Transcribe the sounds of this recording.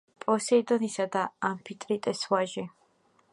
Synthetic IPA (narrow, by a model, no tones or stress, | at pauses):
pʼɔsɛid̪ɔnisad̪aampʰit̪ʼɾit̪ʼɛswaʒɛ